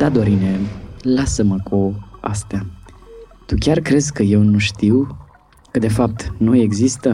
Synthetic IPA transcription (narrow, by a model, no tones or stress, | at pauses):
d̪ad̪oɾine̞lasəməkua̰st̪ea | t̪ukʲarkɾe̞zkəje̞wnuʃt̪iw | kəd̪e̞fap̚t̪nuje̞ɡzist̪ə